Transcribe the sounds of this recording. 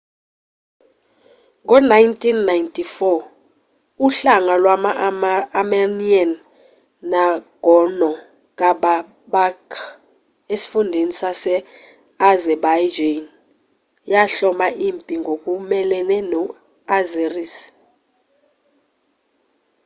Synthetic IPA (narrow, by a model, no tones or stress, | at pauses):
ŋɔnajntʼinːajntʼifɔ | uɬaŋalwamaamanianː | aɡ̥ʱɔnɔ | k̬ʼaɓa | bakʰ | esi̥fundʱenisasɛ | azɛbajd͡ʒen | jaɬɔmaʔimpʼiŋɡʱokʼumɛlɛnɛnɔ | azeris